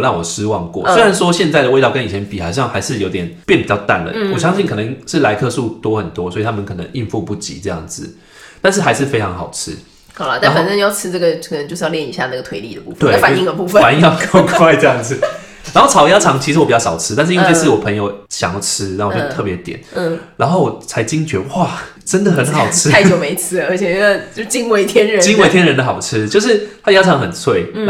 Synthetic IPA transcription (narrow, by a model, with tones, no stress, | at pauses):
nɑ˥˩wɔ˨˩ʂ̩˥wɑ˥˧ŋkwɔ̰˥˩swe˥ɪa˧˦nʂwɔ˥ɕjɛ˥˧nt͡sa˥˩ɪdə˩we˥ɪɑ˥˩ʊkə˦ni˨˩t͡ɕʰɛ˧˦npi˨˩xɑ˨˩ʊɕjɑ˥˩ŋxa˧˥ɪʂɻ̩˥˩jo˧˥ʊt̪jɛ˨˩npjɛ˥˩npi˨˩t͡ɕɑ˥˧ʊt̪a̰˥˨˩nlə̰˩wɔ˨˩ɕjɑ˥ŋɕi˥˩nkʰɤ˨˩nə˧˦ŋʂɻ̩˥˩la˧˥ɪk̪ʰɤ˥˧su˥˨˩t̪wɔ˥xə˨˩nt̪wɔ˥swɔ˧˥i˨t̪ʰa˥mə˨kʰɤ˨˩nə̰˧˦ŋi˥˧nfu˥˧pu˥˩t͡ɕḭ˨˦ʈ͡ʂɤ˥˧jɑ̰˥˩ŋd͡zɹ̩˩ | t̪a˥˧nʂɻ̩˥˩ɦa˧˥ɪʂɻ̩˥˩fe˥ɪʈ͡ʂʰɑ˧˥ŋxɑ˨˩ʊʈ͡ʂʰɻ̩˦˥ | hɑ˨˩lɐ˦t̪a˥˧nxnə˥˧˨jɑ˥˧ʊʈ͡ʂʰɻ̩˥nə˥˩ɡə˩kʰə˨˩nə˧˦ŋt͡ɕjo˧ʊʂ̩˥jljɛ˥˩ni˧˥ɕja˥˧na˥˩ɡə˩t̪ʰwe˧˥ɪli˥˩d̪ə˨˩pu˥˧fət̪we˧˥˩fa˨i˥˧ŋd̪ə˨˩pu˥˧fə˨fa˨˦ni˥ŋjɑ˥˧kʰo˥kʰwa˥ɪʈ͡ʂjɑ˥˧ŋd͡z̩˨˩ | na˧˦nxo˥˩ʊʈ͡ʂʰɑ˨˩ʊja˥ʈ͡ʂʰɑ˧˦ŋt͡ɕʰi˧ʂɻ̩˧wɔ˨˩pi˨˩jɑ˥ʊʂɑ˨˩ʊʈ͡ʂʰɻ̩˥˧n̬̩˥i˦˥we˥˧˥ʂ̩ʰ˥˩wɔ˨˩pʰə˧˦ŋjo˧ʊɕjɑ̰˨˦ŋjɑ˥˧˩t͡s̩ʰ˥ɻa˩˥o˥˧˩jo˥˧t̪ʰɤ˥˩pjɛ˨˧˦t̪jɛ̰˨˩˦n̩˥˩na̰˧˥nxo˥˩ʊwɔ˨˩t͡sʰa˧˥ɪt͡ɕi˥ŋt͡ɕɥɛ˧˥wa˥˩ | ʈ͡ʂə˦˥nd̪ə˨xə˧˦nxɑ˨˩ʊʈ͡ʂʰɻ̩˥a˥˩ɪjo˨˩me˧˥ɪt͡s̩ʰ˥˨ə˧˥t͡ɕʰɛ˨˩˥t͡ɕjo˥˧ʂ̩˥˩t͡ɕi˦˥ŋwe˧˥ɪt̪ʰjɛ˥nɻə˧˦t͡ɕi˥ŋwe˥ɪt̪ʰjɛ˥nɻə˧˦nd̪ə˧˩xɑ˨˩ʊʈ͡ʂ̩ʰ˥t͡ɕjo˥˧ʊʂi˥˩t̪ʰa˥ja˥ʈ͡ʂʰɑ˧˦ŋxə˨˩nsʰwe˥˩ɪ˥˩